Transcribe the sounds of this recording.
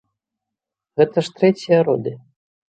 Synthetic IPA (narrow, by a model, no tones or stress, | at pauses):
ɣɛt̪ɐʂt̪ɾɛt͡sʲijɐɾɔd̪ɨ